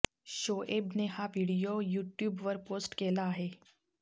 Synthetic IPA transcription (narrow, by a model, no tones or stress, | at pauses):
ʃɕoʔebnehaʋiɽijojuːʈjuːbʋəɾpoːsʈkelaːɦe